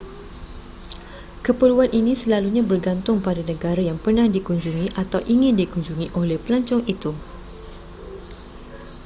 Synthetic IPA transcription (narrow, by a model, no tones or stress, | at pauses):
kəpəluanʔinisəlaluɲabərɡant̪ʊŋpadanə̃ɡaɾajaŋpərnahdikuɲd͡ʒuŋiʔat̪awʔiŋɪndikuɲd͡ʒuŋiʔolɛhpəlaɲt͡ʃɔŋit̪u